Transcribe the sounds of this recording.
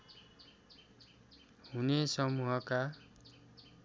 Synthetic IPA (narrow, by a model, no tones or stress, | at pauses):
hunesʌmuɦʌka